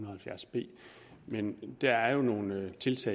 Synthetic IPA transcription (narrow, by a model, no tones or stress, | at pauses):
unɐð̩ˠhælfjæɐsb̥e̝̰ː | mend̥ææɐjo̝no̝ːn̩t͡sʰe̝lt͡sʰɛ̰